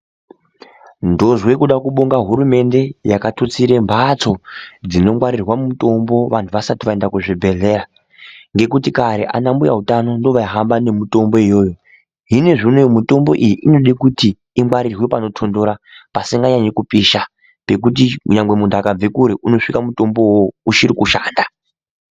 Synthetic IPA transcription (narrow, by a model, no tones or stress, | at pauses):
ndo̞ʐwekuɗakuɓoŋɡaɦuɾume̞nde̞jakatʰut͡siɾembʱat͡so̞d͡zino̞mwaɾirwammuto̞mbo̞ʋantʰuʋasatiʋaendakuʐibʱe̞ɮe̞ːra | ŋɡe̞kutikaɾe̞̰ʔa̰nambuja̰utano̞ndo̞ʋaiɦambane̞muto̞mbo̞ijo̞ːjo | ɦine̞ʐinojmuto̞mbo̞ʔijiʔino̞ɗikutiː | mwaɾirwepano̞tʰondoɾa | pasiŋɡaɲaɲikupiʃa | pe̞k̬ut̬iɲaŋɡwe̞mundʱakab͡ve̞kuɾiʔuno̞ʂikamuto̞mbo̞wouʃiɾikuʃa̰ːnda